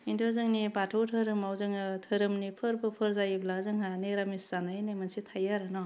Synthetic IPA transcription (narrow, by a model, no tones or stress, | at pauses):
indozɯŋnibatʰɯwtʰɯɾɯmawzɯŋɯtʰɯɾɯmnipʰɯɾbɯpʰɯɾzajiblazɯŋɦaniɾamiszanajnamansitʰajaɾɯnɔ